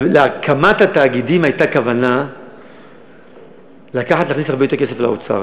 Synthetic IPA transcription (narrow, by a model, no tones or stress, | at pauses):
leakʰamat̪hat̪aːɡid̪imajt̪akavana | lakaħat̪laːχnisaʁbeotekesefla̰o̰t͡sa̰ʁ